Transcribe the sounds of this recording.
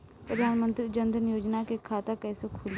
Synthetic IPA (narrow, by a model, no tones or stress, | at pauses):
pɾəd̪ʱaːnmə̃nt̪ɾiːd͡ʒənd̪ʱənjoːd͡ʒnaːkekʰaːt̪aːkɛːsekʰʊl